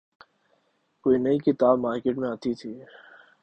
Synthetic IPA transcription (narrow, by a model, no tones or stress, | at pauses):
koːinɐikɪt̪aːbmaːɾkeːʈmẽaːt̪it̪ʰiː